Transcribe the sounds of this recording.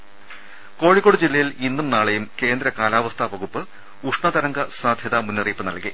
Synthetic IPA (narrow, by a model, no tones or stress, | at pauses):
ko̞ːɻikːoɽud͡ʑilːɐjilinːumnaːɭejumke̞ːnd̪ɾɐkaːlaːʋɐst̪ʰɐʋɐɣupːɨ | uʂɳɐt̪ɐɾɐŋɡɐsaːd̪ʱjɐðɐmunːɐriːpːɨnɐ̰ɭki